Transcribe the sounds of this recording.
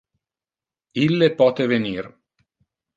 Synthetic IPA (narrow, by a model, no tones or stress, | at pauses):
ilːepɔːt̪eveniːr